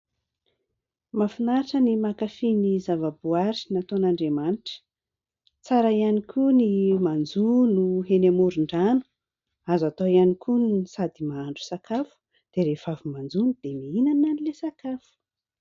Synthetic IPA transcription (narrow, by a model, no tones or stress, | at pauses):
mafinaiʈ͡ʂənimakafinizavabuaɾinat̪onaɳɖ͡ʐemaniʈ͡ʂə̥ | t͡saɾaianikʰunimand͡zunuɦenemuɾiɳɖ͡ʐanu | azat̪oianikʰunsad̪imaaɳɖ͡ʐu̥sakʰafu̥ | d̪̥eɾefavumand͡zunid̪̥emiinananilesakafu̥